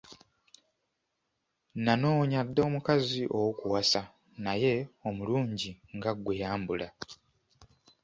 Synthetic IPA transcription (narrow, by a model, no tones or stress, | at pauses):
nano̞ːɲadːo̞ːmukaziʔo̞wokuwasa | naje̞o̞muluːɲɟiŋɡaɡwe̞jaːmbula